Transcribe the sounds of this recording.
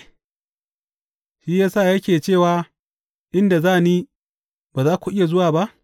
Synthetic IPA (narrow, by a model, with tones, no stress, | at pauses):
ʃiː˦jaː˦saː˦˨jɐ˦kʲeː˨t͡ʃeː˦˨waː˨ | ʔɪ˦nda˨zaː˦˨niː˦ | baː˨zaː˦kʷu˨ʔɪ˦ja˨zʊ˦waː˨ba˦ʔ